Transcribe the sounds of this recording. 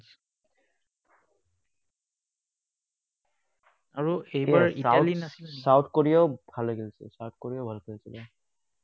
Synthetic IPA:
aɹuejbaɹiaalinasilsawtʰkoɹiaʊbʱaloɡelsɛ̰sawt̚ʰkoɹijabʱalkʰelsilɛ

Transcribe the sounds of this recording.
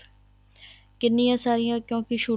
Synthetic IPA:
kɪnːijãːsaːɾijãːkjõːkiʃuː

